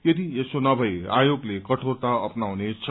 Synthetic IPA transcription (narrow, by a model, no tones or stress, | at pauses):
ked̪iesonʌbʱʌea̰joɡlekʌʈʰort̪aʌpnawnet͡sʰʌ